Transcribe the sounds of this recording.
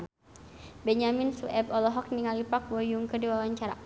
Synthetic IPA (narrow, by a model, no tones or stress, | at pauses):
bɛɲaminsuʔɛbɔlɔɦɔk̚niŋalipak̚bɔjuŋkədiwawaɲt͡ʃaɾa̰